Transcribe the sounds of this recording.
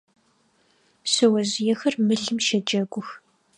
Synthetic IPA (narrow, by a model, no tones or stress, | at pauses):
sɨwɐzɪjɛxɐrmɨɬɨmʃɐd͡ʒɐɡʷʊx